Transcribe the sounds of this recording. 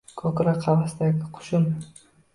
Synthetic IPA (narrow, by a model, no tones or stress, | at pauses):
kʰɒkɾaqʰɑvasɪd̪aɡʲɪqʰʊ̥ʃʊm